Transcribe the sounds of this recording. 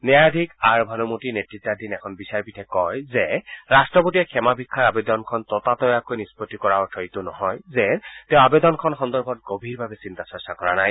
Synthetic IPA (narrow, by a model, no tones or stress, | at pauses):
nɛaadʱikaɹbʱanumotinetɹitːadinɛkʰɔnbisaɹpitʰɛkɔjzɛɹastɹɔpotijɛkʰɛmabʱikʰːaɹabed̪ɔnkʰɔntɔtatɔjakojnispɔtːikɔɹaɔtʰɔɹitʊnɔɦɔjzɛtɛʊ̃abed̪ɔnkʰɔnxɔnd̪ɔɹbʱɔtɡobʱiɹbʱabɛsintasɔsakɔɹanaj